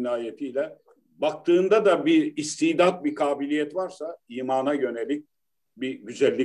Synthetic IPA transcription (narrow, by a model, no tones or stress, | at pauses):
naːjet̪ʰijlʲɛ | bak̚t̪ʰɯːnd̪ad̪abiist̪ʰiːd̪at̪̚bikʰaːbilʲijɛt̪vaɾsaiːmaːnajø̞nelʲic̚ | biɟyzælʲːi